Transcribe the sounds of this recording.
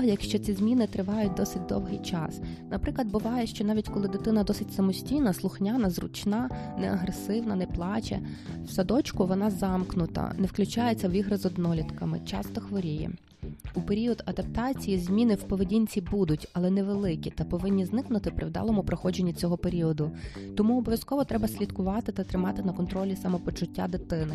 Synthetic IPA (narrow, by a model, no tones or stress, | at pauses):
jɐkʃt͡ʃɔt͡sʲizʲmʲinɪt̪ɾɪʋɑjʊt̚ʲd̪ɔsɪt̚ʲd̪ɔ̰wɦɪjt͡ʃɑ̰snɐpɾɪklˠɐd̪̚bʊʋɑjɛʃt͡ʃɔnɑʋʲitʲkɔlˠɪd̪ɪt̪ɪnɐd̪ɔsɪtʲsɐmɔsʲtʲijnɐslˠʊxnʲanɐzrʊ̰t͡ʃnɑnɛɐɦɾesɪwnɐnɛplˠɑt͡ʃɛ̰ | wsɐd̪ɔt͡ʃkʊʋɔnɑzɑmknʊt̪ɐ̰nɛwklʲʊt͡ʃɑjet͡sʲːɐwʲiɦɾɐzɔd̪nɔlʲit̪kɐmɪ̰t͡ʃɑ̰st̪ɔxʋɔɾʲijɛ̰ | upe̞ɾʲiɔd̪ɐd̪ɐp̚t̪ɑt͡sʲijizʲmʲinɪwpɔʋedʲinʲt͡sʲibud̪ʊtʲɐlˠɛnɛʋelˠɪkʲit̪ɐpɔʋɪnʲːiznɪknʊt̪ɪpɾɪwd̪ɑ̰lˠɔmʊpɾɔxɔd͡ʒenʲːit͡sʲɔɦɔpeɾʲiɔd̪ʊt̪ɔmuɔbɔʋʲjɐskɔʋɔt̪ɾɛbɐsʲlʲid̪kʊʋɑt̪ɪt̪ɐt̪ɾɪmɑt̪ɪnɐkɔnt̪ɾɔlʲisɐmɔpɔt͡ʃʊtʲːa̰d̪ɪt̪ɪnɪ